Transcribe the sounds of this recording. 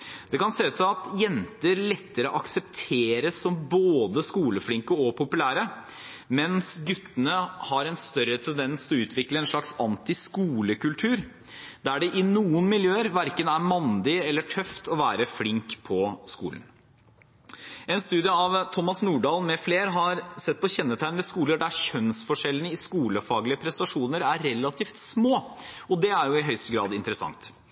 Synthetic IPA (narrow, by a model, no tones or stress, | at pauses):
d̪̥ɛkɑnseːʉːt̪sɔɑt̪jɛnt̪əɾlɛt̪ːəɾəɔʔɑksɛpt̪ʰeːɾəsːɔmboːd̪əskuːləflɪŋkəɔpʰʊpʉlæːɾə | mɛnsɡʉt̪ːənəhɑɾɛnst̪œɾət̪ʰɛnd̪ɛnsɔʉːt̪ʰʋɪkləɛnʂɭɑksɑnt̪ɪskuːləkʉlt̪ʰʉːɾ | d̪ææɖɛʔɪnuːənmɪljøːəɾʋæɾkənæɾmɑnd̪ɪɛlːəʈʰœft̪ʰɔʋæːɾəflɪŋkpʰɔskṵːlən̩ | ɛnst̪ʉːd̪ɪəɑʋt̪ʰɔmːɑsnuːɖɑːlmɛfleːɾɦɑɾsɛt̪̚ːpʰɔçɛnːət̪ʰæɪnʋɛskuːləɖæɾçœnsfɔʂɛlːənəɪskuːləfɑːɡlɪəpʰɾɛst̪ɑʂuːnəɾæɾɾɛlːɑt̪ʰiːft̪smoː | ɔd̪ɛæɾjʊɪɦœʏst̪əɡɾɑ̰ːd̪ɪnt̪ɾəsɑ̰ŋt̪